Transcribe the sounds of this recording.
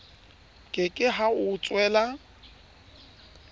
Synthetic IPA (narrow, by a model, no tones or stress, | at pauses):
kʼɪkʼɪɦaʊt͡sʼwɛːla